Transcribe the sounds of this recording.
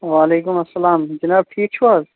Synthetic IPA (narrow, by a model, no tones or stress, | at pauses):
waːleːkʊmɐsːɐlaːmd͡ʒɪnaːb̚ʈʰiːk̚t͡ʃʰuwaːz